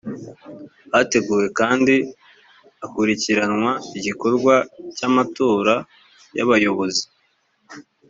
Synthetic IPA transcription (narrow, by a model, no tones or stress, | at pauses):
hate̞ɡuːɾe̞kaːndi | akuɾiciɾanŋwaiɟiko̞ɾɡwacamatoːɾa | ja̰βajo̞βo̞zi